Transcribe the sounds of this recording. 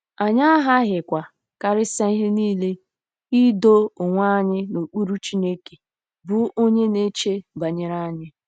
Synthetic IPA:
a˨ɲa˦a˦ɦa˦ɦɪ˨kʷa˨ | ka˨ɾɪ˦sa˦i˦ɦɪ˦niː˦le˦ | i˦do˦ʊ˨ŋʷa˦˨˦ɲɪ˦no˨k͡pu˦ɾu˦t͡ʃi˦ne˦ke̥˨ | bʊ˦o˦ɲe˦ne˦t͡ʃe˦ba˨ɲe˨ɾa˦ɲɪ˦

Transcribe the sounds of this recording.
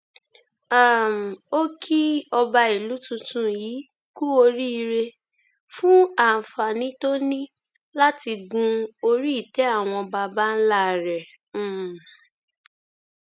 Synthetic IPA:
a˨m̩˨o˦kʰi˦ɔ˧ba˧i˨lu˨˦tũ˧tũ˦jiː˨˦ | ku˦o˧ɾi˦i˧ɾe˧ | fũ˦a˦˨fa˨nĩ˨˦to˦nĩ˦ | la˦ti˧ɡũ˧o˧ɾi˦i˦˨tɛ˨˦a˦˨w̃ɔ̃˧ba˧ba˦n̩˦la˦˨ɾɛ˨˦˨

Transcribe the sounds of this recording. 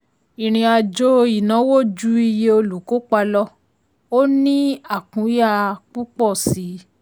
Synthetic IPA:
i˨ɾ̃ĩ˧a˧d͡ʒo˦i˨nã˨˦wo˦˨d͡ʒu˦i˧je˧o˧lu˨˦ko˨˦k͡pa˧lɔ˦ | o˦nĩ˦a˦˨kũ˨˦ja˦˨k͡pu˦k͡pɔ˦˨si˨˦

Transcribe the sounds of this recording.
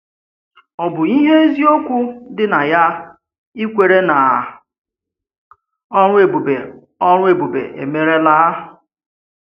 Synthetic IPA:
ɔ˨bʊ˨i˦ɦe˦e˦zi˦o˦kʷu˦dɪ˦na˨ja˦ | i˦kʷe˨ɾe˦na˨ | ɔ˦ɾʊ˦e˨bu˨be˨ | ɔ˦ɾʊ˦e˨bu˨bḛ˨ʔḛ˨me˦ɾe˦la˦˨

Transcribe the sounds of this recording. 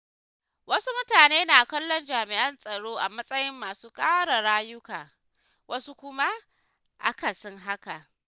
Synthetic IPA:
wɐ˦su˦mʊ˦taː˨neː˦naː˨kɐ˦lːɔ˦nd͡ʒaː˨mɪ˨ʔɐ˦nsʼɐ˨ɽoː˦ʔa˨mɐ˦sʼɐ˦jɪ˦mːaː˨suː˦kʼaː˦ɽa˨ɽaː˦jʊ˦kaː˨ | wɐ˦su˦kʷʊ˦ma˦ | ʔa̰˦ka˨sʊ˦ŋɦa˦ka˨

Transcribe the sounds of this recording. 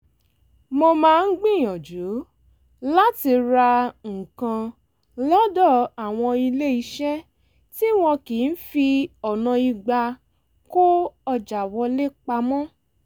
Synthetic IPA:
mo˧mãː˦˧n̩˦ɡ͡bĩ˦˨jɔ̃˨d͡ʒu˨˦ | la˦ti˧ɾa˧ŋ̩˨kã˧ | lɔ˦dɔ˦˨a˨w̃ɔ̃˧i˧le˦i˧ʃɛ˦ | ti˦w̃ɔ̃˧ki˨˦n̩˦fi˧ɔ˨nã˧i˧ɡ͡ba˧ | ko˦ɔ˧d͡ʒa˨wɔ˧le˦k͡pa˧mɔ̃˦

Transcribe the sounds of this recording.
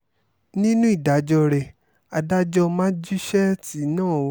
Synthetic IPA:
nĩ˦nũ˦i˦˨da˨˦d͡ʒɔ˧ɾɛ˨ | a˨da˧d͡ʒɔ˧mãː˦d͡ʒu˦ʃɛ˦ti˨˦nãː˦˨˦

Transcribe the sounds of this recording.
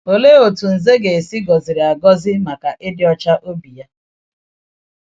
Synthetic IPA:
o˨le˦o˨tu˨n̩˨ze˦ɡe˨e˨si˦ɡɔ˨zɪ˨ɾi˨a˨ɡɔ˦zɪ˦ma˨ka˨ʔɪ˦dɪ˦ɔ˦t͡ʃa˦ʔo˦bi˨ja˦

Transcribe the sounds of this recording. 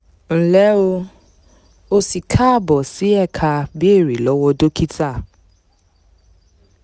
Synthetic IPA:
n̩˨lɛ˨˦o˧ | o˧si˨kʰa˦˨bɔ˨si˨˦ɛ˦˨kʰa˧bi˦e˦˨ɾi˨lɔ˨˦wɔ˦do˦ki˦ta˦˨

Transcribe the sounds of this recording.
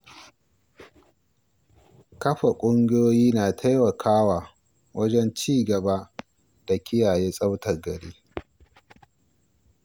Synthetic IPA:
kɐ˦ɸa˨kʷʼʊ˦ŋɡʲɪ˦joː˦jiː˦naː˨tʰa˦jmɐ˨kʰaː˦waː˨ | wɐ˦d͡ʒɛ˦nt͡ʃiː˦ɡɐ˨ba˦ | d̥a˨kʲɪ˦jaː˨jeː˦sʼɐ˦wtɐ˨rɡɐ˨ɽeː˦

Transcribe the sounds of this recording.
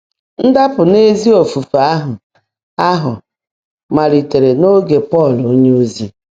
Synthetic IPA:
n̩˦da˦pʊ˨ne˦zi˦o˨fu˨fa˦ɦʊ˨ | a˦ɦʊ˨ | ma˨ɾi˨te˨ɾe˨no˦ɡe˨pɔ˦˨lo˦ɲe˦o˦zi˦

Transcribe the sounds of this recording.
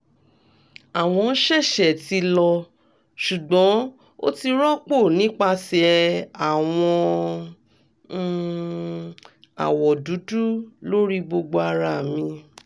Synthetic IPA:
a˨w̃ɔ̃˧n̩˦ʃɛ˦˨ʃɛ˨ti˧lɔ˧ | ʃu˨ɡ͡bɔ̃˨˦ | o̰˦ti˧ɾɔ˦k͡po˦˨nĩ˨˦k͡pa˧sɛ˧a˨w̃ɔ̃˧˦˨ | a̰˨wɔ˨du˨˦du˦lo˦ɾi˦ɡ͡bo˧ɡ͡bo˧a˧ɾa˦˨mĩ˧

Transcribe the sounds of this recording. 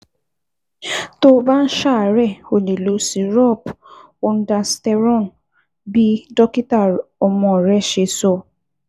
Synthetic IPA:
to˦ba˦n̩˦ʃa˦˨ɾɛ˦˨o˨le˨lo˨˦si˨ɾɔ˦˨p | o˧n̩˦da˧stɛ˧ɾɔ̃˦˨n | bi˦dɔ˦ki˦ta˦˨ɔ˧mɔ̃˧˨ɾɛ˦ʃe˧˦sɔ˧˦

